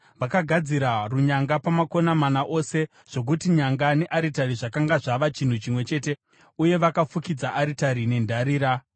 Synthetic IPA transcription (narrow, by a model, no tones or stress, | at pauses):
ʋakaɡʱad͡ziɾaruɲaŋɡapamako̞namanaʔo̞se̞ | ʐ̥o̞k̬utiɲaŋɡane̞ʔaɾitariʐakaŋɡaʐaʋat͡ʃin̤ut͡ʃimwe̞t͡ʃe̞te̞ | uje̞ʋakafukid͡zaʔaɾitaɾine̞ndaɾiːɾa